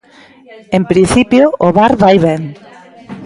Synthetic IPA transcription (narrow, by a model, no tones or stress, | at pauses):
empɾinθipjoːβaɾβajβɛŋ